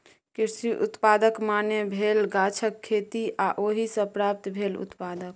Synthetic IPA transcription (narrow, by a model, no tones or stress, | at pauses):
kiɾsiʔṵt̪pad̪əkmanebʱelɡat͡ʃʰəkʰːet̪iʔaʔoɦisə̃pɾap̚t̪bʱelṵt̪pad̪ək̚